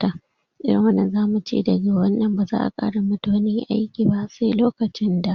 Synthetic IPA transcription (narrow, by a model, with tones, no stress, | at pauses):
ta˨ | ʔɪ̰˦ɽɪ̰˨ŋwɐ˦nːɐ˨nzaː˦mu˨t͡ʃḛː˦˨dɐ˨ɡa˨wɐ˦nːɐ˨mbaː˨za̰ː˦ʔa̰˨kʼa̰ː˦ɽa˨mʊ˦ta˦ni˦ʔa˦jkʲiː˨ba˦se˦loː˦kɐ˨t͡ʃɪ˦nda˨ʔ